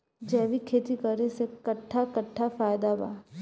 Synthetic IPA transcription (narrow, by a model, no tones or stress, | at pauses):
d͡ʒɛːʋikʰeːt̪ikəɾesekɐʈʰːakɐʈʰːafaːjd̪aba̰ː